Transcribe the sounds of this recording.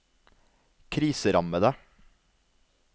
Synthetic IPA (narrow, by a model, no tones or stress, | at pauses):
kʰɾiːsəɾɑməd̪e